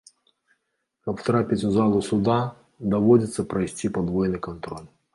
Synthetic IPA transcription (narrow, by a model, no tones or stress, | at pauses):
kɐpft̪ɾapʲɪtʲʊzɑlˠʊsʊd̪ɑ | d̪ɐʋɔdʲɪt̪sʲɐpɾɐjsʲtʲipɐd̪ʋɔjɪnɨjkɐnt̪ɾɔlʲ